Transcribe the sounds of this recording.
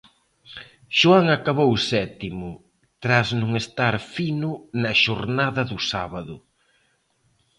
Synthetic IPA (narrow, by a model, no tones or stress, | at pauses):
ʃuaŋakaβowsɛt̪imʊ | t̪ɾaznʊŋest̪aɾfinʊnɐʃoɾnaðɐðʊsaβɐðʊ